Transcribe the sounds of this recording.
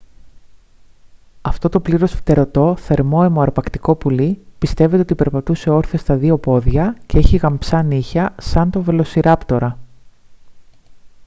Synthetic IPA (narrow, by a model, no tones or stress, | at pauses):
ɐft̪o̞t̪o̞pliɾo̞sfi̥t̪e̞ɾo̞t̪o̞θe̞ɾmo̞emoɐɾpɐkt̪i̥ko̞pulipist̪e̞ve̞t̪eo̞t̪ipe̞ɾpɐt̪use̞o̞ɾθest̪ɐðio̞po̞ðʝɐce̞eçiɣɐmpsɐniçɐsɐnt̪ove̞lo̞siɾɐpt̪o̞ɾɐ